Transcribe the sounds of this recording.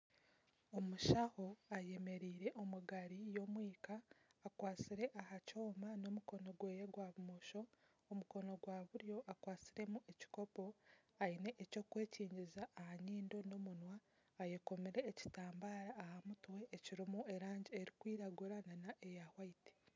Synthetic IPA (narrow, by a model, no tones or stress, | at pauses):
o̞muʃaho̞aje̞me̞ɾiːɾe̞ʔo̞muɡaɾijo̞mwiːkaːkwaːt͡siɾe̞ʔahaco̞ːmano̞muko̞no̞ɡwe̞ːjeɡwaβumoʃo̞ː | muko̞no̞ɡwaːβuɾjo̞ʔakwaːt͡siɾe̞mue̞ci̥ko̞po̞aine̞ʔːco̞ːkwe̞ːciːɲɟizaʔːhaɲiːndo̞no̞munwaː | jekomiɾe̞ːci̥taːmbaːɾaːhamutwe̞ʔːciɾimue̞ɾaːɲɟieɾikwiːɾaɡuɾananaʔe̞jahwaiti̥